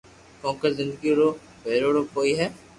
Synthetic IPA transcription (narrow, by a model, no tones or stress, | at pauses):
kɔ̃ːkezɪ̃nd̪əɡiɾoː | beːɾoːɾoːkoːiɦɛː